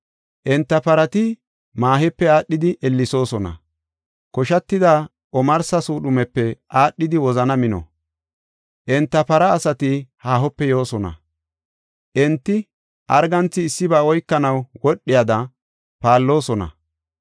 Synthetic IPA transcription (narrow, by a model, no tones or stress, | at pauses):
ʔɛnt̪ːɐpɐɾɐt̪ɪ | maːɦɛpːɛaːɗːɪd̪ɪʔɛlːɪso̞ːsɔnɐ̰ | kɔʃɐt̪ːɪd̪a | ʔɔmɐɾsɐsuːɗʊmɛpːɛʔaːɗːɪd̪ɪwɔzɐnɐmɪnɔ̰ | ʔɛnt̪ːɐpɐɾɐːsɐt̪ɪhaːɦɔpːɛjo̞ːsɔnɐ̰ | ʔɛnt̪ːɪ | ʔɐɾɡɐnt͡sːɪːsːɪbaːɔjkːɐnɐwwɔɗːɪjɐd̪ɐ | paːlːo̞ːsɔnɐ̰